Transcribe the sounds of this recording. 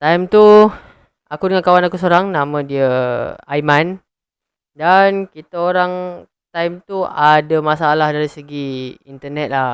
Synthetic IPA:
t̪ajmt̪u | akudəŋankawanakusoɾaŋnamə̃diəajman | dankit̪aoɾaŋ | t̪ajmt̪uadamasaːlahdaɾisəɡiint̪ənɛt̪̚la

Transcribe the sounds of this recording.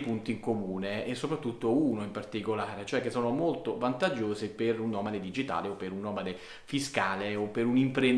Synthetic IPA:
punt̪iŋkomuːneɛsːopɾat̪ːut̪ːouːnoimpart̪ikolaːɾet͡ʃoɛkːesːɔːnomolt̪ovant̪ad͡ʒːoːseperunːɔːmad̪ed̪id͡ʒit̪a̰ːleopːeɾunːɔːmad̪e | fiskaːleopːeɾunimpɾen

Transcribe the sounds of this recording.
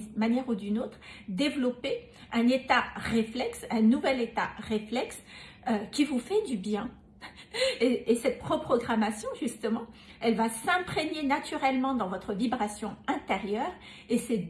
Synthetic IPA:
manjɛʁud̪ynot̪χd̪evlɔpe | ɛ̃net̪aʁeflɛksɛ̃nuvɛlet̪aʁeflɛks | økʲivufɛd̪ybjɛ̃ | eːsɛt̪̚pχɔpχɔɡʁamasjɔ̃ʒyst̪əmɑ̃ | ɛlvasɛ̃pχeɲenat̪yʁɛlmɑ̃d̪ɑ̃vɔt̪χəvibʁasjɔ̃ɛ̃t̪eʁjœːʁ | esɛ

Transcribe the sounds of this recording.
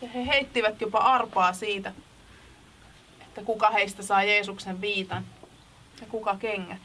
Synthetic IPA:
jɑheheit̪ːiʋæt̪jopɑʔɑrpɑːsiːt̪æ | et̪ːækukɑheist̪æsɑːjeːsukseʋʋiːt̪ɑn | jɑkukɑkeŋːæ

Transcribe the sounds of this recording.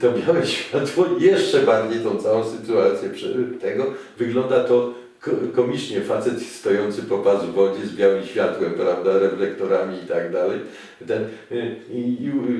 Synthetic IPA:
t̪ɔbʲjawɛɕfʲjat̪wɔjɛʂt͡ʂɛbaɾd͡ʑejt̪ɔ̃w̃t̪sawɔ̃w̃sɘt̪uat̪sʲjɛpʂɛt̪ɛɡɔvɘɡlɔnd̪at̪ɔ | kkɔmʲit͡ʂɲɛfat̪sɛt̪st̪ɔjɔnt̪sɘpɔpazvɔd͡ʑɛzbʲjawɘmɕfʲjat̪wɛmpɾavd̪aɾɛflɛkt̪ɔɾamʲiːt̪aɡd̪alɛj | t̪ɛn

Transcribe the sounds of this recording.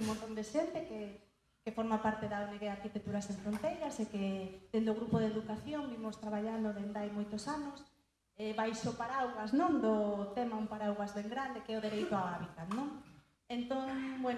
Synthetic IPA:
mõnt̪ond̪eʃent̪eke | kefoɾmapaɾt̪eðaoneɣeaɾkit̪ek̚t̪uɾasẽɱfɾont̪ejɾɐseked̪end̪oɣɾupoð̞eðukaθjoŋbimost̪ɾaβaʎand̪oðend̪ajmojt̪osanos | ɛβajʃopaɾawɣaznõŋd̪ot̪ɛmaumpaɾawɣazβeŋɡɾand̪ekɛoðeɾejt̪ʊaaβit̪at̪nõŋ | ent̪oŋbwen

